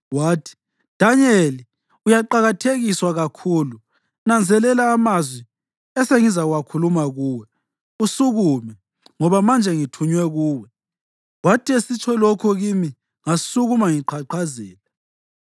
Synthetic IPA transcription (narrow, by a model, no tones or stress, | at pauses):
waːtʰi̥ | d̥ʱaɲeli | ujaǃaɣatʰeɣiswaɣakʰuːlu | nand͡zʱɛlɛlaːmazwi | ɛseŋizaɣuwakʰulumaɣuːwɛ | usuɣumɛ | ŋɔβamand͡ʒʱɛŋitʰuɲwɛɣuːwɛ | watʰiesit͡ʃʰɔlɔkʰɔɣimi | ŋasuɣumaŋiǃʰaǃʰazɛːlɛ